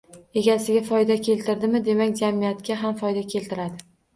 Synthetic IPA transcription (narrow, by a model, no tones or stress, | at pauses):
e̞ɡʲasɪɡʲafɒjd̪akʲʰe̞lt̪ʰɪɾd̪ɪmɪd̪e̞makʲd͡ʒamijat̪kʲaɦamfɒjd̪akʲʰe̞lt̪ɪɾad̪ɪ